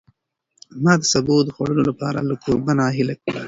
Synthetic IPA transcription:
mɑːd̪əsabod̪əxwaɽəlolapɑːɾa̰lakoɾbanɑɦɪlakəɽa

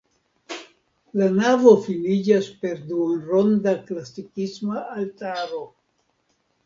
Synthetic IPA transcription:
lanavo̞filid͡ʒaspe̞ɾdunɾo̞ndaklasikismaːltaɾo̞

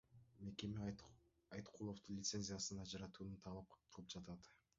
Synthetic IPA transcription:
me̞ke̞mi | ɑjt̪qʰulˠoft̪unlʲɪt̪se̞nʲzʲijasɯnɑd͡ʒɑɾɑt̪uːnunt̪ʰɑlˠɑp̚qʰɯlˠɯp̚d͡ʒɑt̪ɑt̪

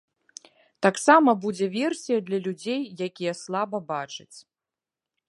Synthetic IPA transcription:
t̪aksamɐbud͡zʲɛvʲɛrsʲijɐd̪lʲɐlʲud͡zʲejːakʲijɛslˠabɐbat͡ʂɨt͡sʲ

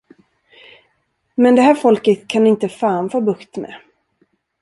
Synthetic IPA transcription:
mɛnd̪ɛhæːɾfɔlkət̪kʰanɪnt̪əfaːnfoːbɵkt̪mɛ̰

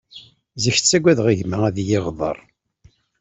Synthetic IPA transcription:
ziç̥t͡sːæɡʷæðʁiʝmææðjɪʁðˤə̰ɾˤ

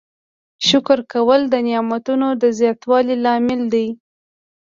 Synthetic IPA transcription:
ʃʊkɾkawəld̪ənijɑmat̪unod̪əzjɑt̪wɑlilɑmɪld̪aj

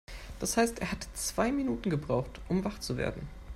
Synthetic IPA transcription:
d̥ashaɪstʔeːɐhatt͡sv̥aɪminuːtn̩ɡəbʁaʊχtʔʊmvaχt͡suvḛːɐdn̩

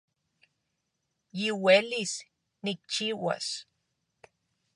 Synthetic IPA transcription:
jiwelis | nik̚t͡ʃiwa̰s

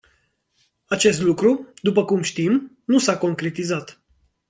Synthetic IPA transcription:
at͡ʃe̞st̪lukɾud̪upəkumʃt̪im | nusako̞ŋkɾe̞t̪izat̪

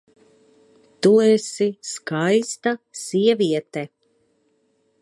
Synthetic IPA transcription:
t̪uɛsiskajst̪asiɛviɛt̪ɛ

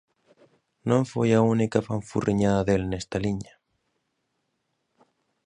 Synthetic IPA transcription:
nõŋfojaunikafaɱfṵrʔiɲaðɐðelnest̪aliɲa

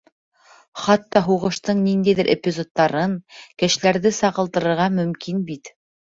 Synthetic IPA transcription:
χɑt̪ːɑɦuʁɤ̆ʃt̪ɤɴnind̪æjðɘɾʔepʲizo̞t̪ːɑɾɤŋkɘ̆ʃlæɾðɘsɑʁɤ̆lˠt̪ɤ̆ɾɤ̆ɾʁɑmɵ̆mkʰinbit̪

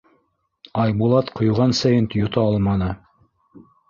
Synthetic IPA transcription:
ɑjbulˠɑt̪qʰŏjʁɑnsæjɘnt̪jŏt̪ɑɑlˠmɑnɤ

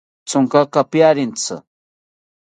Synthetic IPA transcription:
t͡sʊŋkakapjaɾɪnt͡sɨ̰

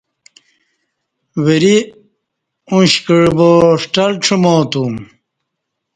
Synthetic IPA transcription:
weɾi | ũɕkəɻboʂʈɐlʈ͡ʂʰumoːt̪um

